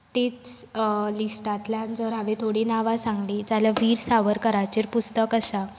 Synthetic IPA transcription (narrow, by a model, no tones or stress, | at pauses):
t̪et͡slisʈat̪ljand͡zəɾɦaʋet̪ʰoɽiːnaʋasãŋɡliːt̪aljaʋiːɾsaʋəɾkəɾat͡ɕiɾpust̪əkəsa